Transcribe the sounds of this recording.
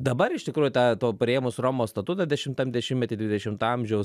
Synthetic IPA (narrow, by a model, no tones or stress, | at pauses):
d̪ɐbɐɾɪʃt̪ʲɪkɾuːjʊt̪ɑːt̪oːpʲɾʲɪeːmʊsroːmoːst̪ɐt̪ut̪ɐdʲɛʃʲɪmt̪ɐmd̪ʲɛʃʲɪmtʲɛt̪ʲɪd̪ʲʋʲɪd̪ʲɛʃʲɪmt̪ːɐmʲʒʲɛʊ